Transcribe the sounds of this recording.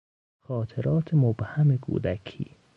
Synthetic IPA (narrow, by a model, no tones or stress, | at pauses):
xɒːt̪ʰeɾɒːt̪ʰemobhæmekʰṵːd̪ækʰḭː